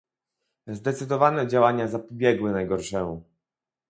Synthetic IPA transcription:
zd̪ɛt̪sɘd̪ɔvanɛd͡ʑawaɲazapɔbʲjɛɡwɘnajɡɔɾʂɛmu

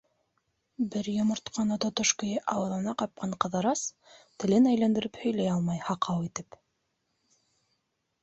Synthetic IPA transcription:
bɘɾjŏmŏɾt̪qʰɑnɑt̪ŏt̪oʃkɤ̆jɤʔɑwɤ̆ðˠɤ̆nɑqɑp̚qɑɴqɤ̆ðɤ̆ɾɑs | t̪ɘ̆lɘnæjlænd̪ɘ̆ɾɘphɵ̆jlæjɑlˠmɑjhɑqɑwit̪ɘp

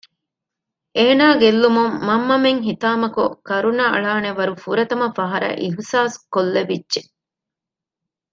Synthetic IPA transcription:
eːnaːɡelːumumːɐmːɐmeŋɦit̪aːmɐkukɐɾunɐɐ̰ɭaːneʋɐɾufuɾɐt̪ɐmɐfɐɦɐɾɐ̰ʔiɦsaːskolːeʋidːʒe

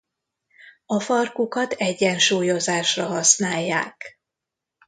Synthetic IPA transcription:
ɒfɒrkukɒt̪ɛɟːɛnʃuːjo̞zaːʃrɒɦɒsnaːjːa̰ːk

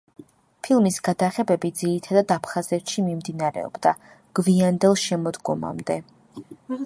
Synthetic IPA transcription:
pʰilˠmisɡ̥ad̪aχɛbɛbid̪ziɾit̪ʰad̪ad̪apʰχazɛt̪ʃimimd̪inaɾɛ̰ɔ̰bd̪a | ɡ̥viand̪ɛlˠʃɛmɔd̪ɡɔma̰md̪ɛ

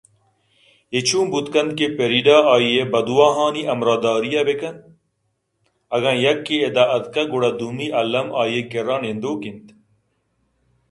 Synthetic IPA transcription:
et͡ɕʰũːmbut̪kɐnd̪̚kepeɾiɖaːaːjebɐd̪uwaːɦaːniʔɐmɾaːd̪aːɾijɐbekɐn | ɐɡãːjɐkːeed̪aʔɐd̪kɐɡoɽɐd̪umiʔɐlːɐmaːjekeɾãːnend̪oːkint̪

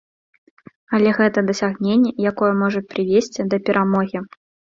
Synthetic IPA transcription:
ɐlʲɛɣɛt̪ɐd̪ɐsʲaɣnʲenʲːɛjakɔjɛmɔʐɐpɾɨvʲesʲt͡sʲid̪ɐpʲɛɾʔamɔɣʲi

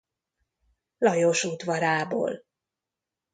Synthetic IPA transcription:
lɒjoʃuːt̪ʋɒɾaːbo̰ːl

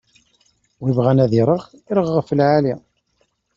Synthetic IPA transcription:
wivʁaænæðiɾˤəʁiɾəʁːəfəlʕali

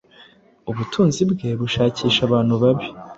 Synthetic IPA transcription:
uβutʰuːnzibɡe̞βuʃaːciːʃaβaːn̥huβaβi

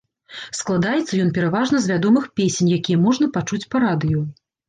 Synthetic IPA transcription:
sklˠad̪ajɛt̪sːɐjɔnpʲɛɾavaʐnɐzvʲad̪ɔmɨxpʲesʲenʲjakʲijɛmɔʐnɐpat͡ʂut͡sʲpɐɾad̪ɨju

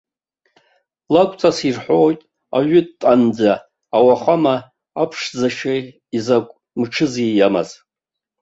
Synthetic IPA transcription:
lakʷʼt͡sʰʼasirħʷojtʼ | a̰ɥʊdtʼand͡zaː | waχamaː | pʰʂd͡zaʃa | izakʷʼ | mʈ͡ʂʰɨzijama̰z

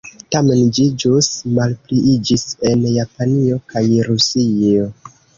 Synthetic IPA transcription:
tame̞nd͡ʒid͡ʒusmalpliʔid͡ʒise̞njapanio̞kajɾusio

